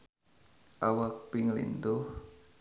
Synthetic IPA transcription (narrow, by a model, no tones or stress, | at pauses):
ʔawak̚pɪŋlḭnd̪ʊh